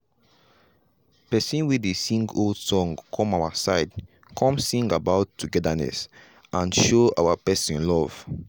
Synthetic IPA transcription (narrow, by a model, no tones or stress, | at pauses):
pɛsĩnwiðesĩŋɡoldsɔ̃ŋkʰɔ̃mawasaɪd | kʰɔ̃msĩŋɡabaʊtʰːuɡɛdanɛ̰s | ʔãnʃoa̰wapɛsĩnlɔv̥